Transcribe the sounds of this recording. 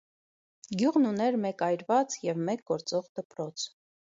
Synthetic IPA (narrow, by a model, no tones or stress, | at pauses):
ɡjuʁnunɛɾmɛkɑjɾvɑt͡sjɛvmɛk̚ɡɔɾt͡sɔʁd̪əpɾɔt͡sʰ